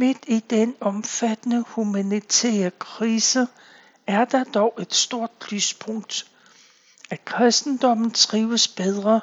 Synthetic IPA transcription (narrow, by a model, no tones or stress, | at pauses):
me̝d̥id̥enɒ̽mfæd̥ənəhumænit͡sʰɛ̰ːɐkʰʁiːsə | æɐd̥ɑ̈d̥ɒʊʔe̝d̥sd̥o̝ɐ̰d̥lyːspʰɔ̽ŋ̰d̥ | ækʰʁɛsd̥n̩d̥ɒ̽m̰n̩t͡sʰʁiːʊəsb̥eð̞ˠʁɐ